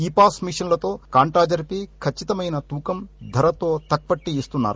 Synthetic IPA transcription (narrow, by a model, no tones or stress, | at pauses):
iːpaːsmiʂɐnlɐt̪o̞ːkaːɳʈɾaːd͡ʒɐɾpikʰɐt͡ʃːit̪ɐmɐjnɐt̪uːkɐmd̪ʱɐɾɐt̪oːt̪ɐk̚pɐʈːiist̪unːa̰ːɾu